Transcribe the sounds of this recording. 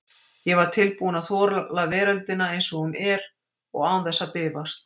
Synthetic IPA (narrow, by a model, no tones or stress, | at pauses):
jɛvaɾ̥t̪ʰɪlpuːnaθvɔːɾlavɛːɾalt̪ɪnaejnsɔɣʏmʔɛɾ | ɔɣaːwnθɛsːapɪːvast̪̚